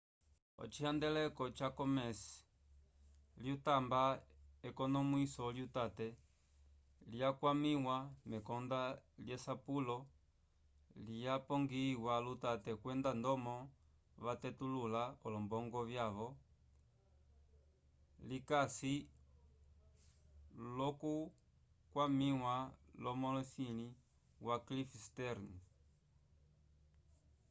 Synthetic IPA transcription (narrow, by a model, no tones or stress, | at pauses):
ɔ̰t͡ʃiand̪ɛlɛkɔt͡ʃakɔmɛs | ljutambaɛkɔnɔmuisɔljutatɛ | liakwamiwamɛkɔnd̪aljɛsapulɔ | lijapɔŋɡiwalutatɛkwɛndand̪ɔmɔ | βatɛtululaɔlɔmbɔŋɡɔβjaβɔ | likasi | lɔku | kwamiwalɔmɔlɔsini | waklifstɛɾn